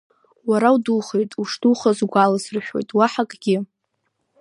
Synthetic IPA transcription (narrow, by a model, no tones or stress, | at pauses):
waɾawduχe̞jtʼuʂtʰuχazɡʷalasrʃᶣo̞̰jtʼwaħakʼɡʲɪ